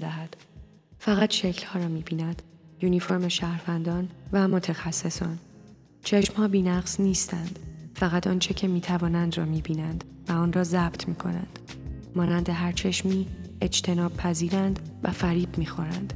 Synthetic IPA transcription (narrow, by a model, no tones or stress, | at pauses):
d̪æɦæd̪̥ | fæɣæt̪ʃe̞cʰlhɒːɾɒːmiːbiːnæd̪̥juːnifo̞ɾmeʃæːhɾvænd̪ɒːnvæmo̞t̪ʰexæsːe̞sɒːn | t͡ʃʰe̞ʃmhɒːbiːnæɣzniːst̪ænd̪̥fæɣæt̪ʰɒːnt͡ʃʰecʰe̞miːt̪ʰævɒːnænd̪rɒːmiːbiːnænd̪̥ | væɒːnrɒːzæb̥t̪ʰmiːkʰo̞̰næ̰nd̪̥ | mɒːnænd̪eɦæɾt͡ʃʰe̞ʃmiːe̞d͡ʒt̪ʰe̞nɒːb̚pʰæziːɾænd̪væfæɾiːb̥miːxo̞ɾæ̰nd̪̥